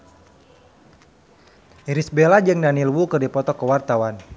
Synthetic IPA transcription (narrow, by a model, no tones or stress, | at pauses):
iɾisbelad͡ʒɨŋnanilwukɨrdipɔt̪ɔkəwart̪awan